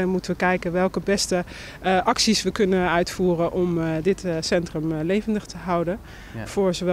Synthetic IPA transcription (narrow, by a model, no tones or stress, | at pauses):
ɛnmutənʋəkɛjkənʋɛlˠkəbɛstə | ʔɑksisʋəkɵnəœɥtfuːrənʔɔmdɪtsɛntrəmlejvəndəχtəɦɑwdən | v̥ʊːɹzoʋɛ